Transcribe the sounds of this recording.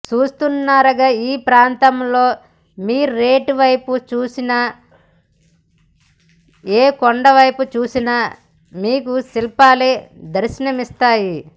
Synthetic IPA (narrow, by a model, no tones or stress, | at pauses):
t͡ʃuːst̪unːaːɾɐɡaːiːpɾaːnt̪ɐmlo̞ː | miːɾuɾeːʈʋɐjput͡ʃuːsinɐ | eːkoɳɖɐʋɐjput͡ʃuːsinɐ | miːkusilpaːleːd̪ɐɾʃɐnɐmist̪aːji